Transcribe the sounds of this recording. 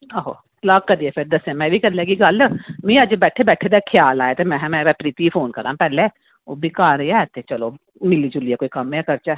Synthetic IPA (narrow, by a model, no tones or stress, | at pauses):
əɦo̰ | lakkəd̪iɛpʰɪɾd̪əsɛ̃mɛ̃ːbʱikəɾlɛːɡiɡəlmĩəd͡ʒbɛːʈʰebɛːʈʰed̪ekʰjaːlaːet̪emɛ̃ɦmɛ̃ːɛpɾiːt̪ipʰoːnkəɾã̰ːpɛːle | oːbʱikaːɾeɛt̪ʰet͡ʃəlo | mɪliːd͡ʒʊliɛkoːikɐmɛkəɾt͡ʃɛː